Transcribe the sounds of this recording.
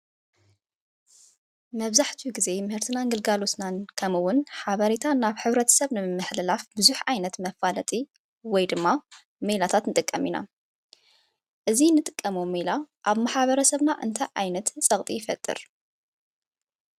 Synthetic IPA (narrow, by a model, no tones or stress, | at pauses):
mɐβzaħt̪ʰuɡize̞mɨhɨɾt̪ʰɨnaŋɡɨlɡalosnankʰɐmɨwʊnħaβɐɾet̪ʰanaβħɨβɾɐt̪ʰɐ̥sɐβnɨmːɨħlɨlafbɨzuħʕajnɐt̪mɐfːalɐt̪ʼi | wɔjd̪ɨmːa | melat̪ʰat̪nɨt̪ʼɨkʼːɐmina̰ | ʔɨzinɨt̪ʼɨkʼːɐmomelaʔaβmaħβɐɾɐsɐβnaʔɨ̰nt̪ʰɐjʕajnɐt̪sʼɐkʼt̪ʼijɪfɐt̪ʼːɨ̰ɾ